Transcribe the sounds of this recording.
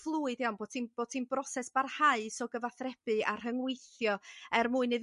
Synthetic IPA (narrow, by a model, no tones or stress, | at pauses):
flˠuːɨdianboːd̥̚tʰiːnb̥oːd̥̚tʰiːnbrɔsɛsb̥arhaɨsɔɡəvaθrɛb̥ɨa̰r̥həŋwejθjɔɛrmuɨnɨð